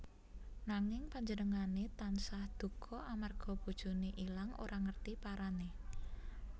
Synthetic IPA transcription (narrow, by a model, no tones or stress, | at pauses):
naŋɪŋpaɲd͡ʒənəŋanet̪ansahd̪̥ṳkʰɔʔamarɡ̥ɔ̤b̥ud̥ʒ̥ṳneʔilaŋʔo̰ɾʔaŋərt̪ipaɾane